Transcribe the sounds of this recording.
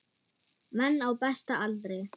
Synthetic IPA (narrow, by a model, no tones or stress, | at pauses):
mɛnːawpɛst̪aalt̪ɾej